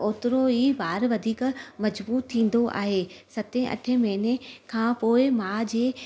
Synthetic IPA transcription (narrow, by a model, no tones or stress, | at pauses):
oːt̪ɪɾoiːbaːɾʋɐd̪ʱiːkmɐd͡ʑbuːt̪ʰːĩːn̆d̪oʔa̰ːɦeːsɐt̪ẽʔɐ̰ʈʰəmɐɦɪnekʰãːpoːɪmaːd͡ʑeː